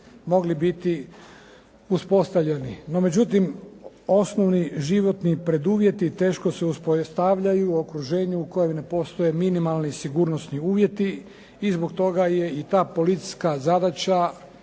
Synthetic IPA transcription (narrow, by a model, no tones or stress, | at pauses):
mo̞ɡlibit̪i | uspo̞st̪aʋʎenino̞me̞d͡ʑut̪im | o̞snoʋniʒiʋo̞t̪nipɾe̞d̪uːʋje̞t̪it̪e̞ːʃko̞seuspost̪aʋʎajuokɾuʒe̞ːɲuuko̞jomne̞po̞st̪o̞je̞minimalnisiɡuːɾnosniuːʋje̞t̪i | izboɡt̪o̞ɡaje̞it̪aːpo̞lit̪si̥skazad̪at͡ɕa